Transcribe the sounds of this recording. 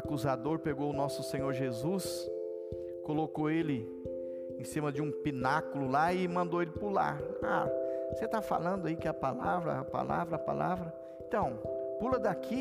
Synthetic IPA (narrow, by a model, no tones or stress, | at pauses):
akuzad̪oɾpeɡoʊnɔsʊsẽɲoɾʒezus | kolokoelɪ | ẽsĩmɐd͡ʒɪũpinakʊlʊlaɪmɐ̃nd̪oelɪpula̰ɾa̰oset̪afa̰lɐ̃nd̪ʊaikɪɐpalavɾɐ̰apa̰la̰vɾɐːpa̰la̰vɾɐ | ẽt̪ɐ̃w̃pulɐd̪akʰi